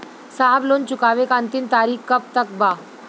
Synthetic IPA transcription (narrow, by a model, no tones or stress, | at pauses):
saɦblont͡ɕukaʋekant̪iːnt̪aɾiːkkəp̚t̪ək̚ba